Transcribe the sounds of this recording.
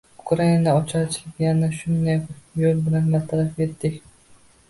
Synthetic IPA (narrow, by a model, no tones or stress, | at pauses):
ʊkʰɾainanaɒt͡ʃʰaɾt͡ʃʰɪ̥lʲɪpjanaʃʊnd̪akjolˠbɪlanbat̪ʰaɾafet̪ːɪkʲ